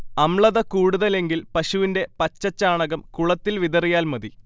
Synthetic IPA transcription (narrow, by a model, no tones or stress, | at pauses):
ɐmɭɐðɐkuːɽuðɐle̞ŋɡilpɐɕuʋinde̞pɐt͡ɕːɐt͡ɕːaːɳɐɣɐmkuɭɐt̪ːilʋiðɐrijaːlmɐði